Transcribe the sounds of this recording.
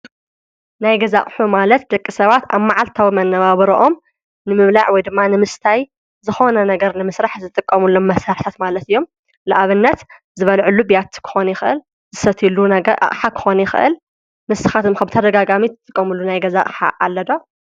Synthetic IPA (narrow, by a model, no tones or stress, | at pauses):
najɡɐzaʔʼħumalɐt̪̚d̪ɐkʼːisɐβat̪a̰βmaʕalt̪ʰawimɐnːɐβaβɐɾoʔom | nɨmɨβlaʕwɔjd̪ɨmːanɨmɨst̪ʰaj | zɨxo̞nɐnɐɡɐɾnɨmɨsɾaħzɨt̪ʼɨkʼːɐmulːomːɐsaɾħt̪ʰat̪malɐt̪ɨjːo̞m | lɨʔaβɨnːɐt̪ | zɨβɐlʕɨlːubijat̪kʰɨ̥xo̞nɐjɪxɨʔɨ̰l | zɨsɐt̪ʰilunɐɡɐʔa̰χʼħakʰɨ̥xo̞nɐjɪxɨ̰ʔɨ̰l | mɨsɨxat̪ɨmxɐbɨt̪ʰɐd̪ɐɡaɡamit̪ɨt̪ʼːɨkʼːɐmulːunajɡɐza̰ʔʼħa̰ʔalːɐd̪o